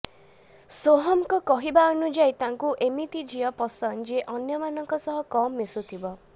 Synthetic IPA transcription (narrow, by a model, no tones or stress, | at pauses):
soɦɔmkɔkɔɦibaɔnud͡ʒajt̪aŋkuʔemit̪id͡ʒʱiɔpɔsɔnd͡ʒeʔɔnjɔmanɔŋkɔsɔɦɔkɔmːesut̪ʰibɔ